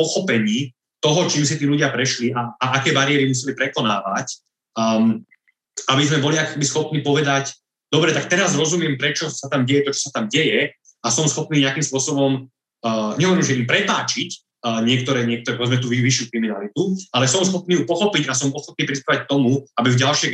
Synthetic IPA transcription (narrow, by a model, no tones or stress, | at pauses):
pɔxɔpɛɲiː | t̪ɔɦɔt͡ʃiːms̬it̪iːluɟɪapɾɛʃliʔaːʔakɛːbaɾiɛɾimus̬ɛlipɾɛkɔnaːʋa̰cː | abizmɛbɔliakɔ̥ɛbisxɔpniːpɔʋɛd̪ac | d̪ɔbɾɛt̪ak̚t̪ɛɾazɾɔzumɪɛmpɾɛt͡ʃɔsat̪amɟɛjɛt̪ɔt͡ʃɔ̥sat̪amɟɛjɛ | asɔmsxɔpniːɲɛakimspʊɔsɔbɔmː | ɲɛɦɔʋɔɾimʒɛimpɾɛpaːt͡ʃicː | ɲɪɛk̚t̪ɔɾɛːɲɪɛk̪̚ɔɾɛpɔʋɛd͡zmɛt̪uʋiʋiʃjukɾiminalit̪ualɛsɔmsxɔpniːjupɔxɔpicas̬ɔmɔxɔp̪̚niːpɾispɛʋac̚k̚t̪ɔmuabivɟalʃɪɛ